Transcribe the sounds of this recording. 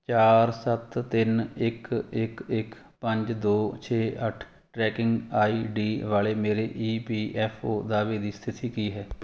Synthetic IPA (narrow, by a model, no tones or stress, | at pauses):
t͡ʃaːɾsət̪ːɪnɪkɪkɪk | pə̃ɲd͡ʒd̪oːt͡ʃʰeːəʈʰ | ʈɾɛːkɪ̃ŋɡaːiːɖiːʋaːleːmeːɾeːʔiːpiːʔɛːpʰoːd̪aːʋeːd̪iːst̪ʰɪt̪iːkiːɦɛː